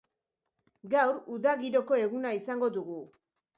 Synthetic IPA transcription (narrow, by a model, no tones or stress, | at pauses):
ɡawɾuðaɣiɾo̞ko̞e̞ɣunaisaŋɡo̞ðuɣu